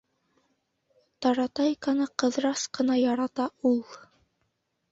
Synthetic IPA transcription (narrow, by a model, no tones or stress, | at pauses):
t̪ɑɾɑt̪ɑjkɑnɤqɤ̆ðɾɑsqɤ̆nɑjɑɾɑt̪ɑulˠ